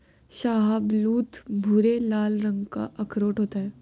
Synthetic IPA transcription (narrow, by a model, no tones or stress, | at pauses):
ʃaːɦəbluːt̪ʰbʱʊɾelaːlɾə̃ŋɡka̰ʔɐkʰɾoːʈɦoːt̪aɦɛː